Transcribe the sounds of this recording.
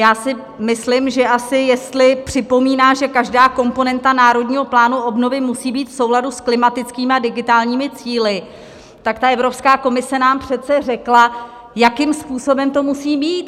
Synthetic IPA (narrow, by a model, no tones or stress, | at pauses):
jaːsɪ | mɪslɪmʒɛʔasɪjɛst̪lɪpr̝̥ɪpo̞miːnaːʒɛkaʒdaːko̞mpo̞nɛnt̪anaːɾo̞dɲiːɦo̞plaːnuʔo̞bno̞vɪmusiːbiːt̪fso̞wladusklɪmat̪ɪt͡skiːmɪadɪɡɪt̪aːlɲiːmɪt͡siːlɪ | t̪akt̪aʔɛvɾo̞pskaːko̞mɪsɛnaːmpr̝̥ɛt̪t͡sɛrɛkla | jakɪmspuːso̞bɛmt̪o̞musiːmiːt̪̚